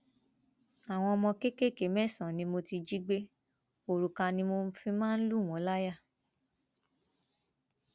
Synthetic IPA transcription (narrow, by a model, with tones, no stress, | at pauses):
a˨w̃ɔ̃˧ɔ˧mɔ̃˧ke˦ke˦˨ke˨˦˨mɛ̃˦˨sã˨nĩ˧mo˧ti˧d͡ʒi˦ɡ͡be˦ | o˨ɾu˨ka˧nĩ˧mo˧˦fĩ˧mãː˦n̩˦lu˦˨w̃ɔ̃˨˦la˦ja˦˨